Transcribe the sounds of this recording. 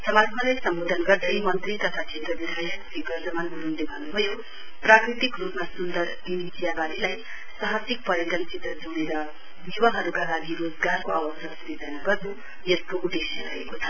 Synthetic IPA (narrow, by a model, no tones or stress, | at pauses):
sʌmatʰʌlajsʌmbod̪ʱʌnɡʌrd̪ʌjmʌnt̪rit̪ʌt̪ʰat͡ʃʰet̪rʌbid̪ʱajɦsikʌrd͡zʌmanɦununlebʱʌnːubʱʌjo | prakrit̪ikrupmasund̪ʌɾ | inisijabaɾilaj | sʌɦʌsik̚pʌɾiʈʌnt͡sit̪rʌd͡zuñeɾʌ | biwaɦʌɾukalaɡiɾod͡zɡarkoawʌsasuɾid͡zʌnaɡʌd̪u | jeskoʔud̪esjʌɾʌekot͡sʰʌ